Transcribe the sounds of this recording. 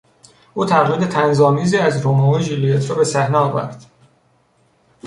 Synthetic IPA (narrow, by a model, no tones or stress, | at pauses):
ʔuːt̪ʰæɣɾiːd̪et̪ʰænzɒːmiːziːæzɾomɒːvoʒilijet̪ʰɾɒːbe̞sæhnɛɒːvæ̰ɾd̪̥